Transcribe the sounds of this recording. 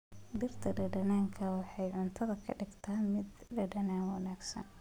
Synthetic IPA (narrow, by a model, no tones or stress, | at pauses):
d̪ɪrt̪ʰɐɖɐɖɐnaːŋkʰɐwɑħɑjʕʊnt̪ʰɐðɐkʰɐ̰ɖɪɡt̪ʰaːmɪd̪ɖɐɖɐnaːŋwɑnaːɡsɐ̰n